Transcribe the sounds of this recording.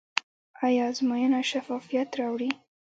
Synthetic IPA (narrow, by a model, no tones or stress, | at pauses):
ɑjɑzmojənaʃafɑfijat̪ɾɑwɽi